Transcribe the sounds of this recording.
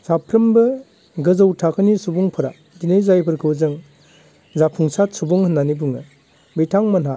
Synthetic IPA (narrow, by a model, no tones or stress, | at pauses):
sapʰɾɯmbɯ | ɡɯzɯwtʰakʰɯnisubuŋpʰɯɾa̰ | dinejzajpʰɯɾkʰɯwzɯŋ | zapʰuŋsatsubɔŋhɯnːanibuŋɯ | bijtʰaŋmɐna